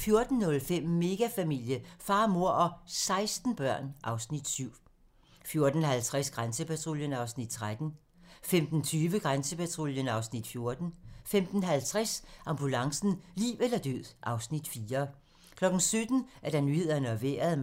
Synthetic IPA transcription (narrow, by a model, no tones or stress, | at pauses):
fjo̝ɐd̥n̩nɔ̽lfem̰me̝ɡ̥æfæmil̰jəfɑ̈ːmo̝ɐ̰ɒ̽sɑ̈ɪsd̥n̩b̥ɶɐ̰nʔɑ̈ʊsnid̥syʊ̰ | fjo̝ɐd̥n̩hælt͡sʰʁasɡ̥ʁansəpæt͡sʰʁo̝ljənɑ̈ʊsnid̥̚t͡sʰʁad̥n̩ | femd̥n̩t͡sʰyːʋəɡ̥ʁansəpʰæt͡sʰʁo̝ljənɑ̈ʊsnid̥fjo̝ɐd̥n̩femd̥n̩ɦælt͡sʰʁasʔɑ̈mb̥ulɑ̈ŋsn̩lḭːʊelɐd̥øð̰ˠʔɑ̈ʊsnid̥fiːɐ | kʰlɒ̽ɡ̥n̩sød̥n̩ʔæɐɾ̥ɑ̈nyhe̝ð̞̰ˠɐnəɒʋḛːɐð̩ˠ